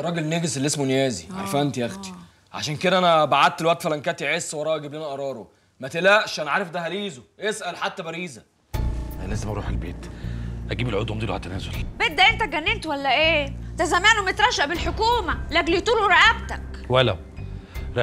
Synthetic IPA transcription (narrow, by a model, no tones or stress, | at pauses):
ɾˤɑːɡelneːɡeselːesmonejæːziʕa̰ɾˤfæʔænt̪ijæxt̪i̥ | ʕa̰ʃæːnked̪æʔænæbaʕad̪̚elwæʔt̪fælæŋkæt̪eʕesːwɑɾˤɑːʔæɡiblenæʔɑɾˤɑːɾˤo | mæt̪elæʔʃʔænæʕaːɾˤefd̪æɦæɾiːzoʔesʔælħat̪ːæbæɾiːzæ | æ̰læːzemʔɑɾˤṵːħelbḛːt̪ʔæɡiːbelʕod̪wæmd̪ˤiːlʕa̰læt̪ːænæːzolbet̪̚d̪æʔent̪æɡænːent̪wælːæʔeːt̪æzæmæːnumet̪ɾˤɑʃːaʔbelħokuːmælæɡlit̪uːluɾeʔæbt̪ækwælæ̰ | ɾ